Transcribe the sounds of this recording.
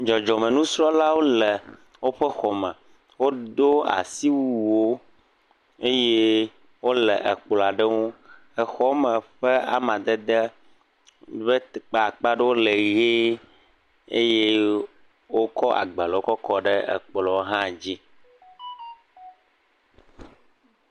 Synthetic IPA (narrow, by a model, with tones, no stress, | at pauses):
d͡ʒɔ˨d͡ʒɔ˨mɛ̃˨nũ˦sɾɔ˦la˦wo˦lɛ˨ | wo˦ɸɛ˦xɔ˨mɛ̃˨ | wo˦d̪o˦a̰˨si˦wu˨wo˦ | e˦je˦ | wo˦lɛ̰˨ʔɛ˨k͡plɔ˨a˨ɖɛ˦ŋo˦ | ɛ˨xɔ˦mɛ̃˨ɸɛ˦a̰˨mã˨d̪ɛ˦d̪ɛ˦ | βe˦t̪k͡pa˨a˨k͡pa˦ɖɛ˦wo˦le˨ɣe˦ | e˦je˦ | wo˦kɔ˦a̰˨ɡ͡bə˨lɛ˨wo˦kɔ˦kɔ˦ɖɛ˦ɛ̰˨k͡plɔ˨o˦ɦã˦˨d͡ʑi˦